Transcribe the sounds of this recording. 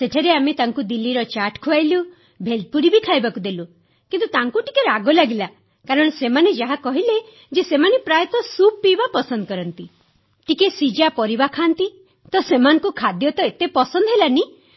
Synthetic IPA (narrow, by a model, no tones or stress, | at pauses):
seʈʰaɾeamet̪aŋkud̪ilːiɾɔt͡ʃaʈkʰuajlu | bʱel̚puɾibikʰajbakud̪elu | kint̪ut̪aŋkuʈi̥keɾaɡɔlaɡila | kaɾɔɽ̃ɔsemaned͡ʒaɦakɔɦile | d͡ʒesemanepɾajɔt̪ɔsuppibapɔsɔnd̪ɔkɔɾɔnt̪i | ʈikesid͡ʒapɔɾibakʰant̪i | t̪ɔsemanɔŋkukʰad̪jɔt̪ɔet̪epɔsɔnd̪ɔɦelani